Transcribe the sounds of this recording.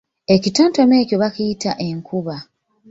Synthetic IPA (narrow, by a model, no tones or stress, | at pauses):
e̞citoːntome̞ːco̞βakijitaʔeŋkʰuβa